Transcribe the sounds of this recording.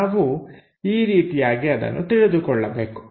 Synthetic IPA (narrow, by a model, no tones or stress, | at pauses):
aːʋu | iːɾiːt̪ijaːɡiɐd̪ɐ̰nːut̪iɭid̪ukɔɭːɐbe̞ːku̥